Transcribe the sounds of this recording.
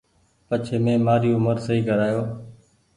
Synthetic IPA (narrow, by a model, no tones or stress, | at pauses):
pət͡ʃʰeːmẽːmaːɾiːʊməɾsəiːkəɾaːjoː